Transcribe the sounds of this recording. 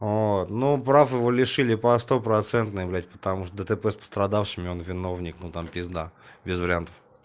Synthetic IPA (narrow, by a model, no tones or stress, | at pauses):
vot̪nupɾafɪvolʲɪʂɨlʲɪpɐst̪o̞pɾɐt̪sɛnt̪nəjɪvlʲætʲpə̥t̪ɐmuʂt̪od̪ət̪əpɛspə̥st̪ɾɐd̪afʂɨmʲɪo̞nvʲɪno̞vnʲɪknut̪ampʲɪɪzd̪abʲɪzvəɾʲɪant̪ə̥f